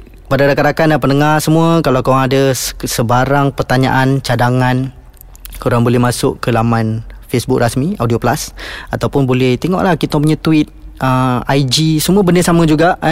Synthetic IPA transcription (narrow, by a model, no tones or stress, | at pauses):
padadakat̪akanapənəŋaɾsəmũəkalakaaŋadasəbaɾaŋpərt̪aɲa̰ʔant͡ʃadaŋan | kuɾaŋbolɛhmasʊʔkəlamanfesbʊk̚rasmiawdioplasat̪awpʊnbolɛht̪eŋɔ̰ʔlahkit̪ap̬uɲãt̪uɪt̪̚ʔəajd͡ʒisəmuəbənəsamə̃d͡ʒuɡaʔ